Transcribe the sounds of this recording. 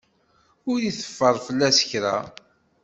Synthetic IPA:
ʊɾjiθə̥fːəɾˤfəlːæsə̥çɾæ̰

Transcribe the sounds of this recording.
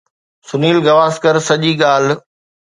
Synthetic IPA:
sʊniːlɡɐʋaːskəɾsɐʄiːɠaːl̤

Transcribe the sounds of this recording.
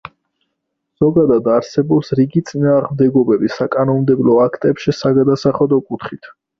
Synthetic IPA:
z̥ɔɡad̪ad̪aɾsɛbɔpsɾiɡit̪sʼinaːʁmd̪ɛɡɔbɛbisakʼanɔmmd̪ɛblɔakʰt̪ʼɛpʃisaɡad̪asaχlad̪ɔkʼut̪ʰχit̪ʰ

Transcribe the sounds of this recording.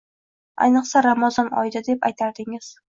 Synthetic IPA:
a̰jnɨqsaɾamɒzɒnɒ̰jd̪ad̪epajt̪ʰaɾd̪ɪŋɪz̥

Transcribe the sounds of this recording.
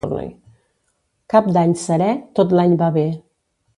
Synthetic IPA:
ɾnə̰j | kap̚d̪aɲsəɾɛt̪ot̪laɲbaβe

